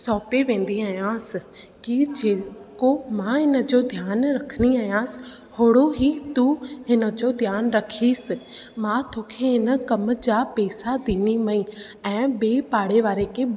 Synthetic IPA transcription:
sɔːpeʋẽːn̆d̪iaːɦijãːsɪ̆ | kid͡ʑeːkomãɦɪnə̆d͡ʑoːd̪ʱjaːnɾɐkʰəniaːɦijãːsɪ̥̆ | hoːɽoɦit̪uɦɪnə̆d͡ʑoːd̪ʱjaːnɾɐkʰiːsɪ̆mãt̪ʰoːkʰeɦɪnə̆kɐmə̆d͡ʑaːpeːsad̪iːnimɐĩ | ɛ̃ːbeːpaːɽeʋaːɾekʰeː

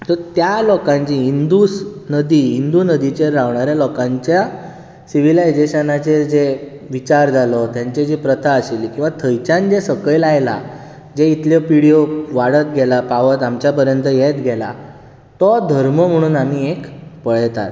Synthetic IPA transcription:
t̪ɔt̪jalɔkãɲt͡ɕiind̪usnəd̪iːind̪unəd̪it͡ɕeɾaʋɳaɾjalɔkãɲt͡ɕja | siʋilaed͡ʑeɕanat͡sed͡ze | ʋit͡ɕaɾd͡zʱalɔt̪jãɲt͡ɕed͡ʑipɾət̪ʰaəselikĩw̃ʋat̪ʰəjt͡ɕãnd͡ʑesəkɭjlajla̰ | d͡ʑeit̪ljɔpiɽijoʋaɽət̪̚ɡʱɛlapaʋət̪amt͡ɕjapəɾjənt̪əjet̪ɡʱɛla̰ | t̪ɔd̪ʱəɾməm̤əɽ̃uːnamiekpəɭt̪a̰t̪

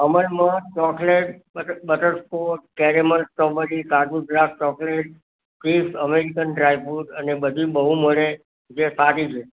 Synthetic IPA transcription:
əməlmãt͡ʃɔkleʈ̚əbəʈəɾskoʈ̚kɛɾemənʈɔbəɾikaduɡɾaf̚t͡ʃɔkleʈ̚ | kɾisəmeɾikənɖɾajfuʈənebəd̪ʱibəɦuməɭe | d͡ʒesaʈit͡ʃʰe

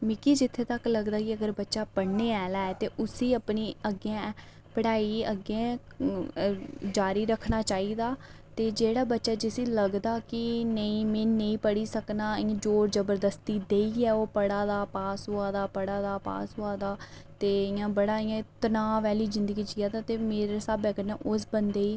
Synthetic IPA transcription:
mɪkiːd͡ʒɪt̪ʰːeːt̪əkləɡd̪aːkɪəɡəɾbətːʃaːpəɽneːɛːlaːɛːt̪eːʔʊsiːəpniːəɡãː | pəɽaːiːəɡẽː | d͡ʒaːɾiːɾəkʰnaːt͡ʃaːiːd̪aːt̪eːd͡ʒeːɽaːbətːʃaːd͡ʒɪsiːləɡd̪aːkɪnəĩːmẽːnə̃ĩːpəɽiːsəknaːɪ̃d͡ʒoːɾzəbəɾd̪əst̪iːd̪eːiːɛːoːpəɽaːd̪aːpaːsɦoːaːd̪aːpəɽaːd̪aːpa̰ːsɦoːaːd̪aː | t̪eːɪjãːbəɽaːɪãːt̪ənaːʋɛːliːzɪ̃nd̪əɡiːd͡ʒiːaːd̪aːt̪eːmeːɾeːsaːbɛːkəɾnɛ̃ːʔʊsbənd̪eːiː

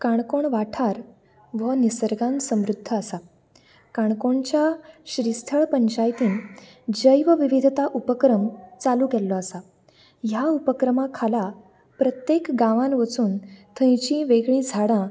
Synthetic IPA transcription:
kaɳkoɳʋaʈʰaɾ | ʋənisəɾɡãnsəmɾud̪ʱːəəsa | kaɳ̃koɳt͡ɕjaɕɾist̪ʰəɭpəɲt͡ɕajt̪iːn | d͡ʑəjʋəʋiʋid̪ʱt̪aʔupəkɾəmt͡salukɛlːɔasa | jaupəkɾəmakʰala | pɾət̪jekɡãʋãnʋət͡suːnt̪ʰə̃jt͡ɕĩʋeɡɭĩd͡zʱaɽã

